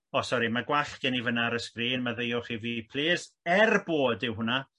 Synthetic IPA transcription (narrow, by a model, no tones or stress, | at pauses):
ɔsɔɾimaɡwaɬɡ̥ɛnivənaɾəskriːnmaðejɔχivipʰl̥ˠeːsɛrboːdɪwhʊna